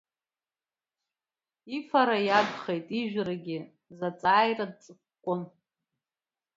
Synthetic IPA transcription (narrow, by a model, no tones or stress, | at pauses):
ifaɾajaɡʷχejtʼiʒᶣraɡʲɪ | zat͡sʼaːjrad̚t͡sʼɨkʷkʷʼon